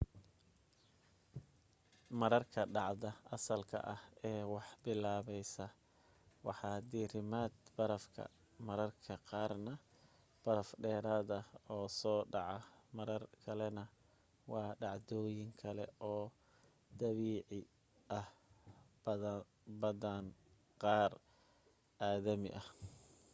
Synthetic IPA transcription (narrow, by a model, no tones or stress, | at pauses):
mɐɾɐrkʰɐɖɑʕd̪ɐʔɐsɐlkʰɐ̰ʔɐhɛːwɑħbɪlaːβɛjsɐ | wɑ̰ħɑːd̪iːrɪmaːd̪bɐɾɐfkʰɐ̰ | mɐɾɐrkʰɐqɑːrnɐ | b̥ɐɾɐfɖɛːɾaːðɐɔːsɔːɖɑʕɑmɐɾɐrkʰɐlɛnɐ | wɑːɖɑʕd̪ɔːjɪŋkʰɐlɛ̰ɔː | d̪ɐβiːʕɪ | ʔɐh | bɐdan | qɑːr | ʔaːðɐmɪ̰ʔɐh